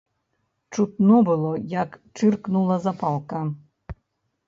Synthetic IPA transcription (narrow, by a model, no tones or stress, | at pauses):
t͡ʂut̪nobɨlˠojɑkʈ͡ʂɨrknulˠɑzapɑlˠkɑ